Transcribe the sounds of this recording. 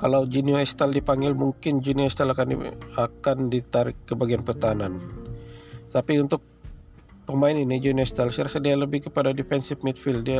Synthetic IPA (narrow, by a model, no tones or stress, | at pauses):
kalawd͡ʒinioɛst̪aldipaŋɡɪlmuŋkɪnd͡ʒinioɛst̪alakanḭakandit̪aɾɪkːəbaɡianpərt̪aanan | t̪apiunt̪ʊk̚ | pəmaɪninid͡ʒinioɛst̪alsaɾakat̪̚dialəbɪhkəpadadifɛnsɪfmɛt̪̚fɪldia